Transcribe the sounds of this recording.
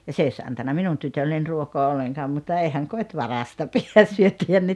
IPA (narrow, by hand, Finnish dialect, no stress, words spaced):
jɑ s ei osʲ ɑntɑnːɑ minun tytølːenʲ ruokoɑ olːeŋkɑːm mutːɑ eihæŋ kotʲ ʋɑrɑstɑ piæ syøtːihæn ne